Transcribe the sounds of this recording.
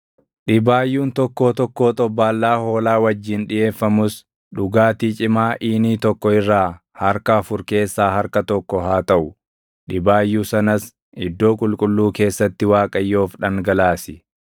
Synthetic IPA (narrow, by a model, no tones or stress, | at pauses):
ᶑɪbaːjːuːnt̪ɔkːo̞ːt̪ɔkːo̞ːt̪ʼɔbːaːlːaːho̞ːlaːwɐd͡ʒːiːnᶑɪje̞ːfːɐmʊs | ᶑʊɡaːt̪iːt͡ʃʼɪmaːʔiːniːt̪ɔkːɔɪrːaː | hɐɾkɐːfʊɾke̞ːsːaːɦɐɾkɐt̪ɔkːɔɦaːt̪ɐʔʊ | ɗɪbaːjːuːsɐnɐs | ɪd̪ːo̞ːkʼʊlkʼʊlːuːke̞ːsːɐt̪ːɪwaːkʼɐjːo̞ːfᶑɐŋɡɐlaːsɪ